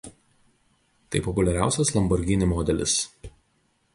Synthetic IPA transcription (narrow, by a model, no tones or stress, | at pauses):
t̪ɐɪpɔpʊlʲɛɾʲæˑʊsʲɛslˠɐmbɔɾʲɡʲɪnʲɪmɔːd̪ʲɛlʲɪ̰s